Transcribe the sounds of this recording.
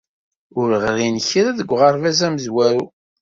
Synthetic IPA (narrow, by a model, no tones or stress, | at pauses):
ʊɾʁɾinçɾæðəɡʷːʁɑɾˤvæzæməzwæɾu